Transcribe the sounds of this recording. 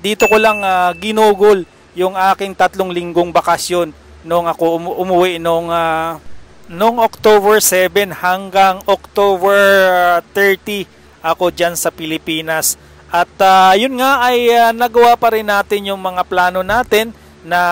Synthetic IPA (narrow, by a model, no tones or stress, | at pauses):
d̪iːt̪o̞kolɐŋaɡɪnuːɡʊl | jʊŋʔaːkɪŋt̪ɐt̪lo̞ŋlɪŋɡoŋbɐkɐsjo̞nː | oŋɐko̞ʔʊʔʊmʊwɪʔnoŋa | noŋok̚t̪obɛɹsɛbɛnhɐŋɡaŋok̚t̪oːbɛɹt̪ɛɹt̪i | ʔɐko̞d͡ʒansɐpɪlɪpiːnɐs | ʔɐt̪ajʊnŋaʔɐjanɐɡɐwapɐɾɪnːaːt̪ɪnjʊŋmɐŋaplaːno̞naːt̪ɪnː | ɐ